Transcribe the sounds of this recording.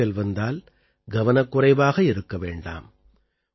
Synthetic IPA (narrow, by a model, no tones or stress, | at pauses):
ɛlʋɐnd̪aːl | ɡɐʋɐnɐkːʊrɐɪbaːɣɐɪɾɯkːɐʋeːɳɖa̰ːm